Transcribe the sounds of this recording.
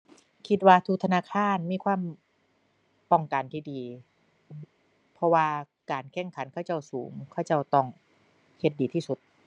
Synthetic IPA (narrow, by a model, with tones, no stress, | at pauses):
kʰi˧t̪̚waː˧t̪ʰu˧k̚t̪ʰa˧naː˧˥˨kʰaː˧˥˨nmiː˧˥˨kʰwaː˧˥˨m | pɔ˧˩ŋka˨˩nt̪ʰiː˧˩diː˨˩ | pʰɔ˧waː˧ | kaː˨˩nkʰɛ˧˥˩ŋkʰa˩˦nkʰaː˧˩wt͡ɕa˧˥˩wsuː˩˦ŋkʰaː˧˥˩wt͡ɕa˧˩wt̪ɔ˧˩ŋ | he˧˦t̪̚diː˨t̪ʰiː˧˥˩su˨˧˦t̪̚